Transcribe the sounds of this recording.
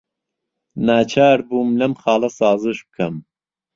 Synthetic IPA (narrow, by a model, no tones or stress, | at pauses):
naːt͡ʃʰaːɾbuːmlɐmχɑːlˠɐsɑːzɨʃb̚kʰɐm